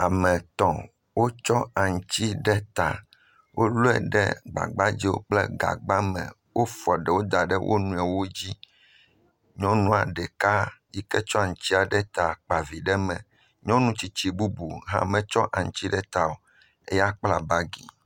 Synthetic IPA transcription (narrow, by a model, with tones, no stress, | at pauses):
a˨mɛ̃˨t̪ɔ̃˨ | wo˦t͡ʃɔ˦a˨ŋ˨t͡ɕi˦ɖɛ˦t̪a̰˨ | wʔo˦lu˦ɛ̰˨ɖɛ̰˦ɡ͡ba̰˨ɡ͡ba˦d͡ʑi˦wo̰˦k͡plɛ̰˦ɡa̰˨ɡ͡ba˦mɛ̰̃˨ | wo˦fɔ˨ɖɛ˨wo˦d̪a˨ɖɛ˦wʔo̰˦nũ˨ɛ˨wo˦d͡ʑi˦ | ɲɔ̃˦nũ˦a˨ɖɛ˨ka˦ji˦kɛ˦t͡ʃɔ˦a˨ŋ̩˨t͡ɕi˦a˨ɖɛ˦t̪a˨k͡pa˨vi˨ɖɛ˦mɛ̰̃˨ | ɲɔ̃˦nũ˦t͡ɕi˨t͡ɕi˨bu˦bu˨ɦã̰˦˨mɛ̃˨t͡ʃɔ˦ʔa˨ŋ̩˨t͡ɕi˦ɖɛ˦t̪a˨o˨ | e˦ja˦k͡pla˨ba˦ɡḭ˨